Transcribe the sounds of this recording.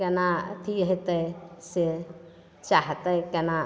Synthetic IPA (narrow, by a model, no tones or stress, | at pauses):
ɛnat̪ʰiɦet̪əse | t͡ʃaɦt̪əkɛna